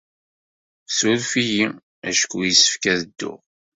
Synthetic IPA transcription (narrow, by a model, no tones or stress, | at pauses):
suɾfiji | æʃkujisə̥fkæðəd̪ːʊ̰ʁ